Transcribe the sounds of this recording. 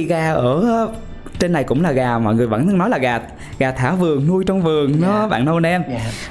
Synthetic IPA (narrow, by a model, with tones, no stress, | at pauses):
i˧ɣaː˧˩ʔəː˧˩ | t͡ɕe˧nːa˨˩jkʊ̰˧˥ŋ͡mlaː˨˩ɣaː˨˩mɔ̰˧˨jŋɨ˨˩əjvə̰˧˥n˧ŋnɔ˨˦jlaː˨˩ɣaː˨˩t̪̚ | ɣaː˨˩t̪ʰːaː˧˩vɨ˨˩əŋnu˧əjt͡ɕɔ˧wŋ͡mvɨ˨˩əŋnɔ˨˦ɓa̰ː˧˨nʔə˧wnɛ˧m